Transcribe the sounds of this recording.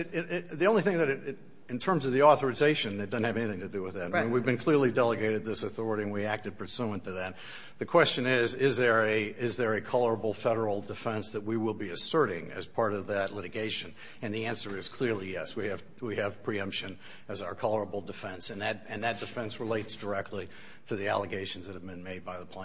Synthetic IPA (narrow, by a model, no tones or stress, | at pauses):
ɪðiõʊ̃nliθɪ̃ŋðɨɾɨɾ | ɨ̃ntʰɜ̃˞mzʌvðiɔθə˞ɨzeɪʃɨ̃nðɨd̥ʌzn̩hɨvɛniθɪ̃ŋtʰɨdɨwɨðɨtwivbɨ̃nkʰl̥ɪɹlˠidɛlˠəɡeɪɾɨd̪̚ðɪsɨθɔɹɨɾiɨ̃nwiæk̚tɨd̚pʰə˞suə̃ntʰɨðɨt̪̚ | ðɨkʰw̥ɛst͡ʃɨ̃nɪzɪzðə˞ɨɪzðə˞ɨkʰɑlˠə˞əbl̩ˠfɛɾə˞l̩ˠdɨfɛ̃nsðɨt̚wiwɪlˠbiɨsɜ˞ɾɪ̃ŋɨ̰z̥pʰɑɹɾʌvðɨtˡlɪɾɨɡeɪʃɨ̃n | ɨ̃nðiæ̃nsə˞ɨz̥kʰl̥ɪɹlijɛswiɨv̥ | wiɨv̥pʰɹ̥iʌ̃mpʃɨ̃n | ɨzaʊə˞kʰɑlˠə˞əbl̩ˠdɨfɛ̃nsɨ̃nðɨtɨ̃nðɨt̚d̥ɨfɛ̃nsɹəleɪtsd̥ə˞ɛk̚tˡli | ɾɨðiæ̰lˠəɡeɪʃn̩zðɨt̚hɨvbɨ̃nmeɪd̚baɪðəpʰl̥ẽ